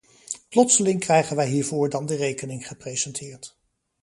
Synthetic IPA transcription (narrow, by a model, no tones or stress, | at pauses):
plɔtsəlɪŋkrɛjχənʋɛjɦiːɹvʊːɹdɑndərejkənɪŋχəprejz̥ɛntʰɪːɹt